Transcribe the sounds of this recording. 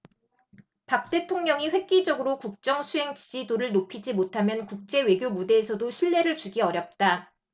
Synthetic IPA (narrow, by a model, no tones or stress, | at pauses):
pak̚t͈e̞tʰoŋɲʌŋiɸwe̞k̚k͈id͡ʑʌɡɯɾokuk̚t͡ɕ͈ʌŋsʰuɦe̞ŋt͡ɕid͡ʑidoɾɯɭnopʰid͡ʑimotʰamjʌnkuk̚t͡ɕ͈e̞we̞ɡjomude̞ːsʰʌdoɕʰiɭːe̞ɾɯɭt͡ɕuɡiʌɾjʌp̚t͈a